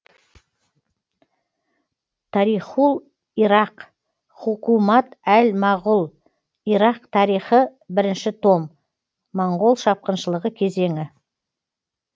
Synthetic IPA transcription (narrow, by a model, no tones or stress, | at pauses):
t̪ʰɑɾiχulˠ | iɾɑq | χʊqumɑt̪ælmɑʁʊlˠ | iɾɑqt̪ʰɑɾijχəbɪɾɪnʃɪt̪ʰo̞mː | ɑɴʁo̞lˠʃɑp̚qənʃəlˠəʁəkʲʰe̞ze̞ŋɪ